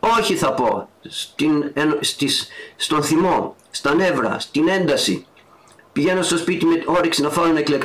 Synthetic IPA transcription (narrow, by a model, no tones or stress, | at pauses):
o̞çiθɐpo̞st̪inenst̪isst̪o̞nθimo̞ | st̪ɐne̞vɾɐ̰st̪ine̞nd̪ɐsḭ | piʝe̞no̞st̪o̞spit̪imeo̞ɾeksinɐfɐɾonɐeklek